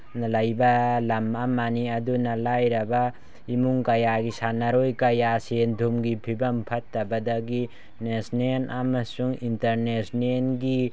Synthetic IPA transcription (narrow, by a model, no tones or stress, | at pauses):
nɐlajbɐlamamːaniɐdunɐlajɾɐbɐ | imuŋkɐjaɡisanaɾojkɐjasendʱumɡipʰibɐmpʰɐtːɐbɐdɐɡi | nesnenʔamɐsuŋintɐɾnesnenɡi